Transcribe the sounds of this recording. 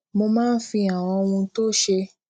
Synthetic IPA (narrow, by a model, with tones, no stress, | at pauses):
mo˧mãː˦n̩˦fĩ˧a˨w̃ɔ̃˧o˧wũ˧to˦ʃe˧